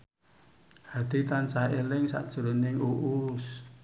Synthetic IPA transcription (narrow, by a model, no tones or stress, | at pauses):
had̪̥it̪ansaelɪŋsa̰ʔd̥ʒ̥ɾonɪŋuʔus